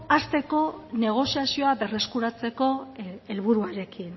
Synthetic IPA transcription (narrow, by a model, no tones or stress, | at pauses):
ast̪e̞ko̞ne̞ɣ̞o̞siasio̞aβe̞re̞skuɾat͡se̞ko̞elβ̞uɾuaɾe̞kin